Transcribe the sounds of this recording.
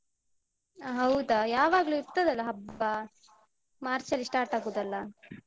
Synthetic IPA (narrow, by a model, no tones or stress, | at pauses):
ɦɐwd̪ɐjaːʋaːɡɐluiɾt̪ɐd̪ɐlːɐɦɐbɐ | maːɾt͡ʃɐlːiʂʈaːɾʈaːɡuːd̪ɐlːɐ